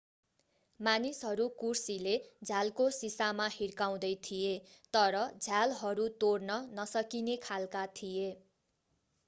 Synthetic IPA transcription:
manisɦʌɾukursiled͡zʱalkosisamahirkaw̃d̪ʌjt̪ʰijet̪ʌɾʌd͡zʱalɦʌɾut̪ornʌnʌsʌkinekʰalkat̪ʰije

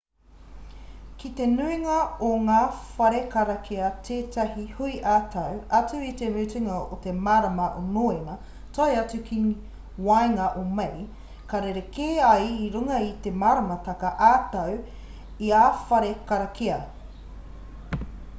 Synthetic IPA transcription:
kit̪enuiŋɐoŋaːfɐɾekɐɾɐkʰeɐt̪ʰeːtɐɦihuiʔaːt̪ʰɐwɐt͡sʉit̪emuːt͡siŋɐot̪emaːɾɐmɐʔo̰noːenɐ | tɐjɐt͡sʉkʰi | wajŋɐʔomej | kaɾeɾekeːɐjiɾuŋɐit̪emaːɾɐmɐt̪ɐkɐʔaːt̪ɐw | iaːfɐɾekɐɾɐkeɐ

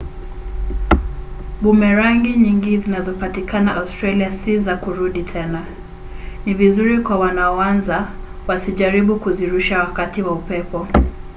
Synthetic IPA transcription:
ɓumɛɾaŋɡiɲiŋɡizinazɔpatikanaʔaustɾaliasizakuɾuɗitʰɛna | nivizuɾikwawanaɔwanza | wasiʄaɾiɓukuziɾuʃawakatiwaupɛpɔ

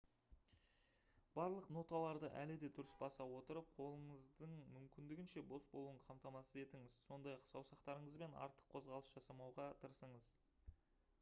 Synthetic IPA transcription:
b̥ɑɾlˠəqno̞t̪ɑlˠɑɾd̪əʔæ̰lɪd̪e̞d̪ʏɾɪsbɑsɑwo̞t̪əɾəp̚qʰo̞lˠəɴəzd̪əɴmʏmkʲɪnd̪ɪɡʲɪnʃe̞bo̞sbo̞lˠuəɴqʰɑmt̪ɑmɑsəze̞t̪ɪŋɪzso̞nd̪ɑjɑqsɑwsɑqt̪ɑɾəɴəzbe̞nɑ̰ɾt̪ə̥qʰːo̞zʁɑlˠəsʒ̥ɑsɑmɑwʁɑt̪ʰəɾsəɴəz

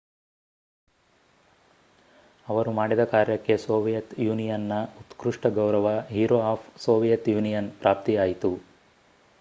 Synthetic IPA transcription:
ɐʋɐɾumaːɽid̪ɐkaːɾjɐkːe̞soːʋijɐt̪juːnijɐnːɐut̪kɾuʂʈɐɡɐwɾɐʋɐɦiːɾoaːpʰsoːʋijɐt̪juːnijɐnpɾʔaːp̚t̪ijaːjit̪u

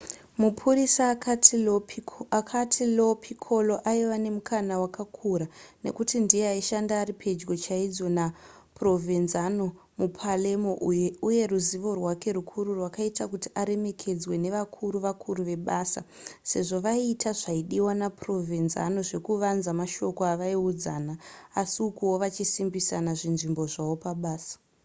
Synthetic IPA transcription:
mupʰurisa | kʰatʰilopʰikʰo̞lo̞ʔaiʋane̞mukʰanawakakʰuɾane̞̰kutindieaiʃandaːɾipʰe̞d͡ʒɡo̞t͡ʃaid͡zo̞na | pro̞vinzano̞ | mupʰalemouje̞ruziʋo̞rwake̞ɾukʰuɾurwakaitakutiʔaɾe̞me̞kʰe̞d͡zwe̞ne̞ʋakʰuɾuʋakʰuɾuʋe̞ɓaːsa̰se̞̰ʐo̞ʋaiːtʰaʐaiɗiwanapro̞vʱinza̰no̞ʐe̞kuʋanzamaʃo̞ko̞aʋaiud͡zaːnaːsiukuwo̞ʋat͡ʃisimbisanaʐinʐimbo̞ʐawo̞paɓaːsḁ

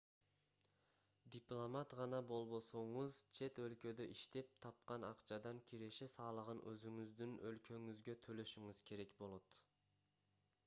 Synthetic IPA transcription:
d̪ʲiplˠomat̪ʁɑnɑbo̞lˠbo̞so̞ɴuzt͡ʃʰe̞t̪ø̞lkø̞d̪øʔiʃt̪e̞p̚t̪ʰɑp̚qɑnɑqt͡ʃʰɑd̪ɑŋkʲʰiɾe̞ʃesɑːlˠəʁɯnʔøzyŋyzd̪ynølkʰø̞ŋyzɡø̞t̪ʰø̞lø̞ʃyŋyzkʲʰe̞ɾe̞kbo̞lˠo̞t̪

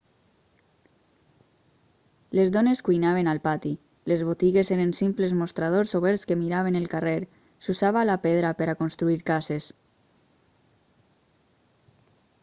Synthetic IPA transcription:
lezðɔneskujnaβ̞enalpat̪i | lezβot̪iɣezeɾensimplezmost̪ɾað̞osoβ̞ɛɾskemiɾaβ̞enelˠkareɾ | susaβaːlapeðɾapeɾakonst̪ɾuiɾkases

